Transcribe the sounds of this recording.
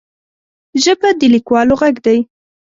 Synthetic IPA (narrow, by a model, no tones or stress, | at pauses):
ʒəbad̪əlikwɑloɣaɡd̪aj